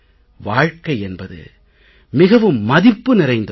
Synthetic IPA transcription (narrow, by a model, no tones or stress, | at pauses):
ʋaːɻkɐɪɛnbɐðɯ̰ | mɪɣɐʋɯmːɐðɪpːɯnɪrɐɪnd̪ɐ